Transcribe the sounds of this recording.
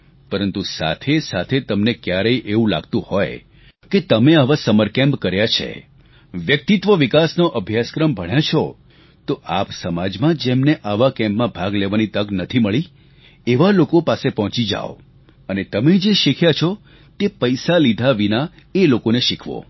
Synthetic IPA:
pəɾənt̪usa̰t̪ʰesat̪ʰet̪əmnekjaɾəjʔeũla̰ɡt̪ũhɔj | ket̪əmeaʋasəməɾkɛ̃mpkəɾjat͡ʃʰḛ | ʋjək̚t̪it̪ʋəʋikasnoʔəbʱjaskɾəmbʱəɽ̃jet͡ʃʰɔ | t̪oʔapsəmad͡ʒmãd͡ʒemneʔaʋakɛ̃mpmãbʱaɡleʋanit̪əɡnət̪ʰiməɭi | eʋalokopasepɔɦɔ̃t͡ʃid͡ʒa̰ʋo | ənet̪əmed͡ʒeʃikʰjat͡ʃʰɔ | t̪epəjsalid̪ʱaʋina | elokoneʃikʰʋo̰

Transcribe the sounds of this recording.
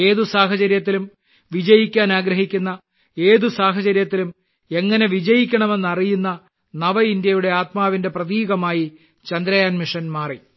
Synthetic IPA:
e̞ːðusaːɦɐt͡ɕɐɾjɐt̪̬ːilum | ʋid͡ʑɐjikʲːaːnaːɡɾɐɦikʲːunːɐ | e̞ːðusaːɦɐt͡ɕɐɾjɐt̪ːilum | e̞ŋːɐne̞ʋid͡ʑɐjikʲːɐɳɐme̞nːɐrijunːɐ | nɐʋɐindjɐjuɽe̞aːt̪̚maːʋinde̞prɐðiːɣɐmaːji | t͡ɕɐnd̪ɾɐjaːnmiʂɐnmaːri

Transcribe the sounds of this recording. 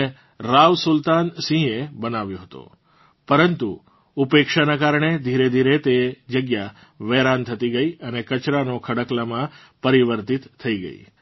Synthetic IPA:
e | ɾaʋsʊlt̪ansĩebənaʋjoɦət̪o̰ | pəɾənt̪u | upekʃanakaɾɳed̪ʱiɾed̪ʱiɾet̪ed͡ʒəɡja | ʋeɾant̪ʰət̪iɡəiənekət͡ʃɾanokʰəɽəklamã | pəɾiʋəɾt̪it̪ʰːəiɡə̰ḭ

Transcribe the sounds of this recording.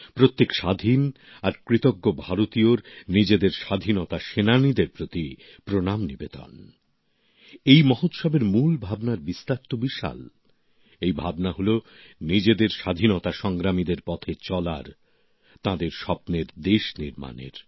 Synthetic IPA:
pɾot̪ːekʃad̪ʱin | aɾkɾit̪oɡːobʱaɾot̪ioɾnid͡ʑed̪eɾʃad̪ʱinot̪aʃenanid̪eɾpɾot̪i | pɾonamnibed̪ɔ̰n | ejmɔɦot̪ʃɔbeɾmulbʱabnaɾbist̪aɾt̪obiʃa̰l | ejbʱabnaɦolonid͡ʑed̪eɾʃad̪ʱinot̪aʃɔŋɡɾamid̪eɾpɔt̪ʰet͡ɕɔla̰ɾ | t̪ãd̪eɾʃɔpneɾd̪eʃniɾma̰nḛɾ

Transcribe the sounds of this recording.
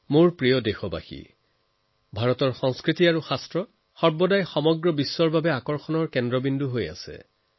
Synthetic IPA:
moɹpɹijɔdexɔba̰xḭ | bʱaɹɔtɔɹxɔŋskɹitiaɹuxastɹɔ | xɔɹbɔdajxɔmɔɡɹɔbisːɔɹbʱabɛakɔɹxɔnɔɹkɛndɹɔbindʱuɦoja̰sɛ̰

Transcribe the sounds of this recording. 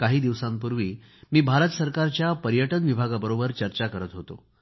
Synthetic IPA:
kaɦiːd̪iʋsãmp̬uɾʋiː | miːbʱaɾət̪səɾkaɾt͡ɕjapəɾjəʈənʋibʱaɡabəɾobəɾt͡ɕəɾt͡ɕakəɾət̪ɦot̪o̰

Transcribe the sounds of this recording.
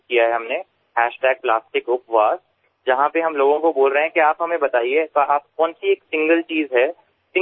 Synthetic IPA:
kijaɦɛɦɐmne | hɛːʃʈɛːɡ̚plaːsʈɪkʊpʋaːz | d͡ʒɐɦãpeɦɐmloːɡõkoboːlɾəɦɛ̃kiaːpɦɐmẽbɐt̪aːiet̪ːaːp̚kɔ̃ːnsieːksɪ̃ŋɡəlt͡ʃiːzɦɛː | sɪ̃

